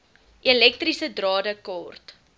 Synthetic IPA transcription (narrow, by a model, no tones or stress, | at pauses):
ʔelɛk̚trisədrɑːdəkɑːrt